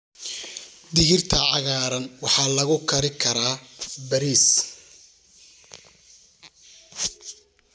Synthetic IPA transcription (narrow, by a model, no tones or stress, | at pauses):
d̪ɪɦɪrt̪ʰɐʕɑɣaːɾɐnwɑħɑːlɐɣʊkʰɐɾɪkʰɐɾaːbɐɾiːs